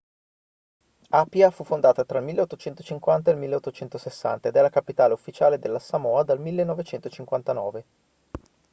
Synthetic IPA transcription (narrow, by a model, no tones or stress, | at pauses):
apjafufːond̪aːt̪at̪ɾailmilːeot̪ːot͡ʃɛnt̪ot͡ʃiŋkwant̪aelmilːeot̪ːot͡ʃɛnt̪osesːa̰nt̪aed̪ɛlːakapit̪aːleufːit͡ʃaːled̪elːasamɔːad̪almilːenːɔvet͡ʃɛnt̪ot͡ʃiŋkwant̪anɔ̰ːve